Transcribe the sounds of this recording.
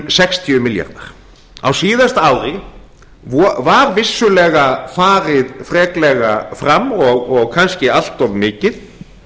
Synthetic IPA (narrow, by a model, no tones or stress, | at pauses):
sɛkst̪ʰiʏmɪlja̰ɾt̪na̰ɾ̥ | a̰wsiːðast̪aːwɾɪ | vvaɾvɪsːʏlɛːɣafaːɾɪðfɾɛːklɛɣafɾamːɔɣɔɣkʰanscɪal̥t̪ɔvmɪːcɪð